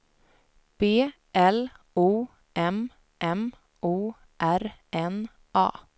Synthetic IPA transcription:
b̥eː | ʔɛl | uː | ʔɛm | ʔɛm | ʔuː | ʔæɾɛn | ʔɑ̰ː

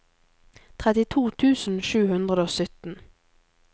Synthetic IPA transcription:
t̪ʰʁɛt̪ɪt̪ʰuːt̪ʰʉːsn̩ʃʉːhʉnd̪ʁəd̪əoːsʏt̪n̩

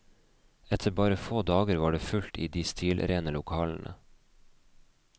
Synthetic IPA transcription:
ɛt̪ʰəbɑːɾəfoːd̪ɑːɡəɾʋɑːɖeːfʉlt̪ḭːd̪iːst̪ʰiːlʔɾeːnəlʊkʰɑːln̩ʔə̰

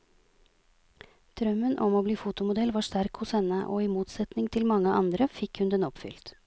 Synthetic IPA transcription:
d̪̥ɾœmːənʔɔmoːbliːfut̪ʊmʊd̪ɛlʋɑːʂt̪æɾkhʊshɛnəʔoːɪmuːt̪sɛt̪nɪŋt̪ʰɪlmɑŋːəʔɑ̰nd̪ɾəfɪkhʉnd̪ɛnɔpfʏ̰lt̪

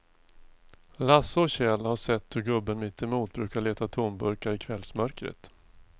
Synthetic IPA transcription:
lasɔɕɛlhaʂɛt̪ːhɵɾɡɵbːənmɪt̪ːɪmuːt̪̚bɾʉ̟ːkaɭeːt̪at̪ʰunbɵɾkaɾɪkʰvɛlsmœɾkɾə̰t̪

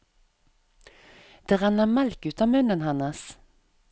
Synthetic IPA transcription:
d̪̥eːʁænəmælkʉːt̪ɑːmʉnənhɑnəs

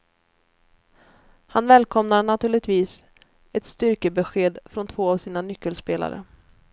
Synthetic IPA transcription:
hanvɛːlkʰɔmnaɳat̪ʰʉ̟ːɭɪɡ̚t̪viːs | ɛt̪st̪ʏɾkəbɛɧeːd̪fɾɔnt̪ʰv̥oːavsiːnanʏkːəlspeːla̰ɾə̰

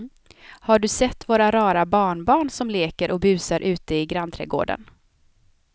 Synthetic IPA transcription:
haɖɵsɛt̪ːvoːɾaɾɑːɾabɑːɳbɑːɳsɔmleːkəɾʔɔbʉ̟ːsaɾʔʉ̟ːt̪əɪɡɾant̪ʰɾɛ̰ɡo̰ːɖə̰n

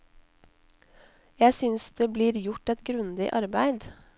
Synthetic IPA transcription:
jæɪsʏnsd̪̥eːbliːɾjʊʈɛt̪ɡɾʉnd̪ɪ̰ʔɑɾbæɪd̪

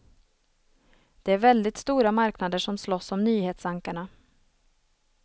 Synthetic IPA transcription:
d̪̥ɛæɾvɛld̪ɪt̪st̪uːɾamaɾknad̪əʂɔmslɔsːɔmnyːheːt̪saŋkaɳa

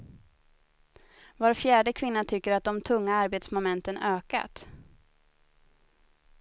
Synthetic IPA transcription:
voːɾfjæːɖəkʰvɪnːat̪ʰʏkːəɾat̪̚d̪ɔmt̪ʰɵŋːaaɾbeːt̪smʊmɛnt̪ənøːka̰t̪

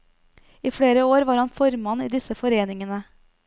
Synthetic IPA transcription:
iːfɽeːɾəoːɾʋɑːɾhɑnfɔɾmɑnːiːd̪ɪsəfɔɾeːnɪŋənə

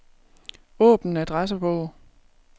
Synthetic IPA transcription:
ɔ̰̽ːb̥n̩n̩æd̥ʁas̬əb̥ɔʊ

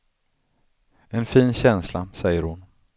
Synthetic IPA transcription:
ɛnfiːnɕɛnslasɛjːəɾhʊn

